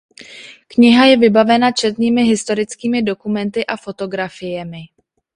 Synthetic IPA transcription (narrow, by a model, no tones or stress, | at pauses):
kɲɪɦajɛvɪbavɛnat͡ʃɛt̪niːmɪɦɪst̪o̞ɾɪt͡skiːmɪdo̞kumɛnt̪ɪʔafo̞t̪o̞ɡɾafɪjɛmɪ